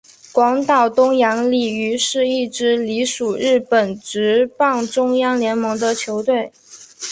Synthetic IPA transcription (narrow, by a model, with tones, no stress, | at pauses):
kwɑ˧˥ŋt̪ɑ˨˩ʊt̪ʊ˥ŋjɑ˧˥ŋli˨˩y˧˥ʂɻ̩˥˧i˥˩ʈ͡ʂɻ̩˧˥li˧˥ʂu˨˩ɻɻ̩˥˩pə˨˩nʈ͡ʂɻ̩˧˥pɑ˥˩ŋʈ͡ʂʊ˥ŋjɑ˥ŋljɛ˧˥nmɤ˧˥ŋd̪ə˧t͡ɕʰjo˧˥ʊt̪we˥˩ɪ